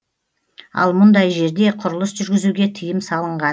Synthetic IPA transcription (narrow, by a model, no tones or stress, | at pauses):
ɑ̰lˠmʊnd̪ɑjʒe̞ɾd̪e̞qʰʊɾəlˠəsʒʏɾɡʲɪzuɡʲe̞t̪ʰɪjɪmsɑlˠəɴʁɑ